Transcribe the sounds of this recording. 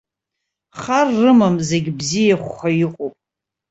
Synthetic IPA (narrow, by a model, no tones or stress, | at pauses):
χarːɨmamze̞ɡʲbzijaχʷχajɪqʷʼopʼ